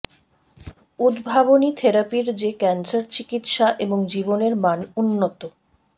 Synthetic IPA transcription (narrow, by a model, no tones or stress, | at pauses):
ud̪bʱabonit̪ʰeɾapiɾd͡ʑekɛnt͡ɕaɾt͡ɕikit̪ʃaʔeboŋd͡ʑiboneɾmanunːot̪o